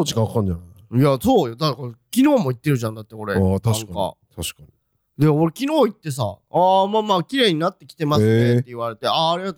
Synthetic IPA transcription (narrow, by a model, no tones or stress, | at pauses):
ot͡ɕi̥kãkãɲd͡ʑana | jaso̞ːjod̪akakʲino̞ːmo̞it̪ːeɾɯ̟ʑãnd̪at̪ːeko̞ɾe̞at̪ḁŋkka̰t̪ʰaɕi̥kaɲi | d̪emoɾe̞kʲino̞ːit̪ːe̞s̬a̰aːmaːmaːkʲiɾe̞ːɲ̟inat̪ːe̞kʲi̥t̪e̞masɨeːeiβaɾe̞t̪e̞aːɾʲiɡat̪o